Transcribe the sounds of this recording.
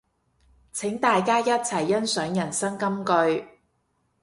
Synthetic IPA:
t͡sʰɪ˨˥ŋt̪aː˨jkaː˥jɐ˥t̚t͡sʰɐ˨˩jːɐ˥nsœː˨˥ŋjɐ˨˩nsɐ˥ŋkɐ˥mkɵ˧ɥ

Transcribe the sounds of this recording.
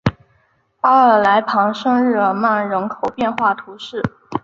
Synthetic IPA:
a˥ə˞˨˩la˧˥ɪpʰɑ˧˥ŋʂɤ˥˧ŋɻɻ̩˥˩lə˩ma˥˩nɻə˧˥nkʰo˨˩ʊpjɛ˥˧nxwa˥˩t̪ʰu˧˥ʂɻ̩˥˩

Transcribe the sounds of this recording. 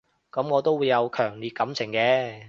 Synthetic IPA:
kɐ˨˥mŋɔː˨˧t̪o˥wuː˨˧jɐ˨˧wkʰœː˨˩ŋliː˨t̚kɐ˨˥mt͡sʰɪ˨˩ŋkɛː˨˥

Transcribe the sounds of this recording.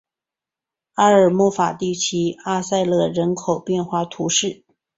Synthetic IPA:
a˥ə˞˨˩mɔ˥˩fa˨˩t̪i˥˩t͡ɕʰi˧˥a˥˧sa˥˧ɪlɤ˥˧ɻə˧˥nkʰo˨˩ʊpjɛ˥˧nxwa˥˩t̪ʰu˧˥ʂɻ̩˥˩

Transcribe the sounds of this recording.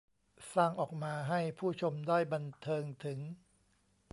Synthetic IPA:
saː˥˩ŋʔɔː˨˩k̚maː˧ɦa˥˩jpʰuː˥˩t͡ɕʰo˧mdaː˥˩jba˧nt̪ʰɤː˧ŋt̪ʰɯ˩˦ŋ

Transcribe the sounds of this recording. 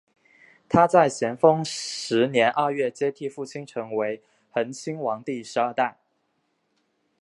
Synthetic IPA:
t̪ʰa˥t͡sa˥˩ɪɕjɛ˧˥nfɤ˥ŋʂɻ̩˧˥njɛ˧˥nʔə˞˥˧ɥɛ˥˩t͡ɕjɛ˥t̪ʰi˥˧fu˥˩t͡ɕʰi˥nʈ͡ʂʰɤ˧˥ŋwe˧˥ɪ | xə˧˥nt͡ɕʰi˥ŋwɑ˧˥ŋt̪i˥˩ʂɻ̩˧˥ɐ˞˥˧t̪a˥˩ɪ

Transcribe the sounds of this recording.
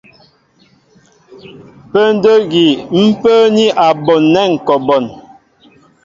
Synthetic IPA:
pə˦n˦də˦ɣi˨m̩˦pə˦ni˦ʔa˨bɔ˨nːɛ˦˨ŋ˨kɔ˨bɔ˨n

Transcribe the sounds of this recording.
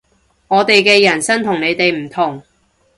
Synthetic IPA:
ŋɔː˨˧t̪e˨jkɛː˧jɐ˨˩nsɐ˥nt̪ʰʊ˨ŋne˨˧jt̪e˨jm̩˨˩t̪ʰʊ˨˩ŋ

